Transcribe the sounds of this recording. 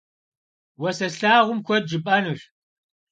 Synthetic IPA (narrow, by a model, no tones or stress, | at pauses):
wɐsɐɬaːʁʷʊmkʷʰɔd̚d͡ʒɨpʼɐnuɬ